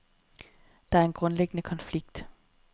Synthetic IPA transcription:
d̥ɑ̈æɐe̝nɡ̥ʁɔ̽nleɡ̥ənəkʰɒ̽nfliɡ̥d̥

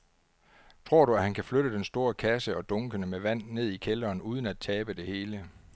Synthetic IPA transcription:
t͡sʰʁo̝ɐ̰ɾuæhænkʰæfløɾəd̥ensd̥o̝ːɐkʰæsəɒ̽d̥ɔ̽ŋɡ̥ənəmeʋæn̰ːe̝ð̰ˠikʰelɐːnuːð̞ˠən̩æd̥̚t͡sʰɛːb̥əd̥e̝he̝ːlə

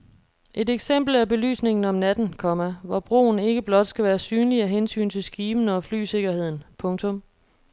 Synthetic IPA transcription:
ʔe̝deɡ̥sem̰b̥l̩æɐb̥e̝ly̰ːsne̝ŋn̩ɒ̽mnæd̥n̩kʰɒ̽mæʋɒb̥ʁo̝̰ːn̩e̝ɡ̥əb̥lɒ̽d̥sɡ̥æʋæːɐsyːnliæɦensy̰ːnt͡sʰe̝lsɡ̥iːb̥n̩ɒ̽fly̰ːse̝ɡ̥ɐhe̝ð̞̰ˠn̩pʰɔ̽ŋt͡sʰɔ̽m

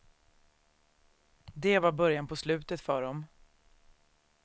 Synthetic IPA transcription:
d̪ɛvaɾbœɾjanpʰɔslʉ̟ːt̪ət̪fœːɖɔm

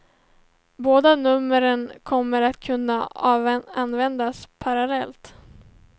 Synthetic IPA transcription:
boːd̪anɵmːəɾənkʰɔmːəɾat̪kʰɵnːa | anːvɛnd̪aspʰaɾalɛlt̪

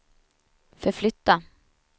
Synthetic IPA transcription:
fœflʏt̪ːa

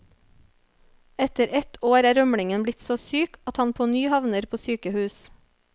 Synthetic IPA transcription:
ɛt̪əɾɛt̪ʰoːɾæːɾœmɽɪŋənblɪt̪soːsyːkɑt̪hɑnpʰoːnyːhɑʋnəɾpʰoːsyːkəhʉːs

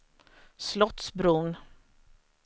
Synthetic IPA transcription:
slɔt̪sbɾʊn

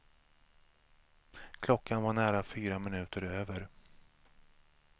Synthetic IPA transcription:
kʰlɔkːanvaɳæːɾafyːɾamɪnʉ̟ːt̪əɾøːvəɾ

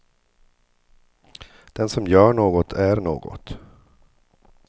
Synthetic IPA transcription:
d̪̥ɛnsɔmjœːɳoːɡɔt̪ʰæɾɳo̰ːɡɔ̰t̪

